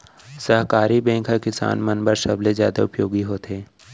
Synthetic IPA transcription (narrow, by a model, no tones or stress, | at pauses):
səɦkaːɾibẽːŋkʰakɪsa̰ːnmɐnbəɾʃɐblezja̰ːd̪a̰ʊpjoːɡiɦoːt̪eː